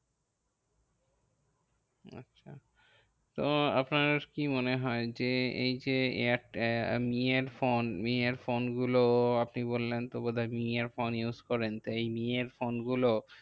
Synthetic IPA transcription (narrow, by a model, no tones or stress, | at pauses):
a̰tːɕʃʰa̰ | t̪oa̰pnakimoneɦɔed͡ʑeejd͡ʑeḛaʈmieɾfonmieɾfonɡuloapnibolːent̪obod̪ʱamiaɾfonjuzkɔɾent̪ejmieɾfonɡulo